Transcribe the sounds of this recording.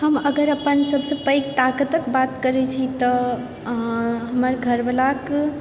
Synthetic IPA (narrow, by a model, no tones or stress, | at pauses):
həməɡəɾəpənsəbsə̃pəjk̚t̪akət̪əkbat̪kəɾɛt͡ʃʰit̪ɔ | ɦəməɾɡʱəɾbəlak